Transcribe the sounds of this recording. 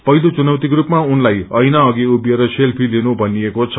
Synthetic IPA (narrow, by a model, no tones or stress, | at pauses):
pʌjlot͡sunʌwt̪ikrupmaunlajʌjnaʌɡiubjeɾʌselpʰilinubʱʌnijekot͡sʰʌ